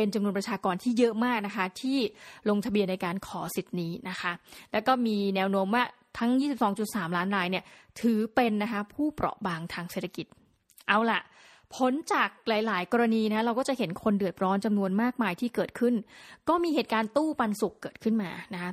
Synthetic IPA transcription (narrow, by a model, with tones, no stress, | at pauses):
pe˧nt͡ɕa˧mnu˧ənpɾa˧t͡ɕʰaː˧kɔː˧nt̪ʰiː˥˩jɤ˦˥ʔmaː˥˩k̚na˦˥kʰa˦˥t̪ʰiː˥˩lo˧ŋt̪ʰa˧bi˧ənːa˧jkaː˧nkʰɔː˩˦si˨˩t̪̚niː˦˥na˦˥kʰa˦˥ʔlɛː˦˥wkɔː˥˩miː˧nɛː˦˥wnoː˦˥mwaː˥˩ | t̪ʰa˦˥ŋjiː˥˩si˨˩p̚sɔː˩˦ŋt͡ɕu˨˩t̪̚saː˩˦mlaː˦˥nɾaː˧jni˥˩ət̪ʰɯː˩˦pe˧nːa˦˥kʰa˦˥pʰuː˥˩pɾɔ̰˨˩ʔbaː˧ŋt̪ʰaː˧ŋse˨˩t̪ʰːa˧ki˨˩t̪̚ | ʔa˧wla̰˨˩ʔ | pʰo˦˥nt͡ɕaː˨˩k̚laː˩˦jlaː˩˦jkɔː˧ɾa˧niː˧na˦˥ɾa˧wkɔː˥˩t͡ɕa˨˩ʔɦe˩˦nkʰo˧ndɯ˨˩ət̪̚ɾɔː˦˥nt͡ɕa˧mnu˧ənmaː˥˩k̚maː˧jt̪ʰiː˥˩kɤː˨˩t̪̚kʰɯ˥˩nkɔː˥˩miː˧heː˨˩t̪̚kaː˧nt̪uː˥˩pa˧nsu˨˩kːɤː˨˩t̪̚kʰɯ˥˩nmaː˧na˦˥kʰa˦˥